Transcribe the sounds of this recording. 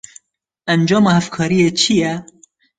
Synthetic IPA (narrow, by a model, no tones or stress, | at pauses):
ʔænd͡ʒɑːmɑːhæfkʰɑːɾijeːt͡ʃʰijɛ